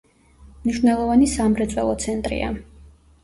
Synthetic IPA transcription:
mniʃwnɛlˠɔvanisamɾɛt̪sʼwɛ̰lˠɔt̪sʰɛnt̪ʼɾḭa̰

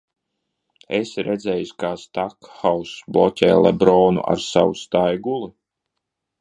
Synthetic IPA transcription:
esɾɛd̪zɛjuskaːst̪akxawsblˠɔcʲɛːlˠɛ̰bɾɔːnṵʔa̰ɾsa̰wust̪ajɡulˠu

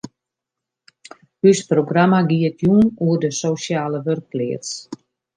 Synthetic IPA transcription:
hysproɡramaɡiətʰjuːnuərdəsoːsjaːləʋørk̚ːlɪːərs

